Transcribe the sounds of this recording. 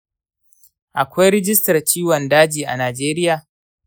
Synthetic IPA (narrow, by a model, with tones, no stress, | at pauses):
ʔa˨kʷa˦jɾɪ˦d͡ʒɪ˦stɐ˨rt͡ʃiː˦wɔ˨ndaː˦d͡ʒiː˨ʔa˨naː˨d͡ʒeː˦ɾɪ˦jaː˨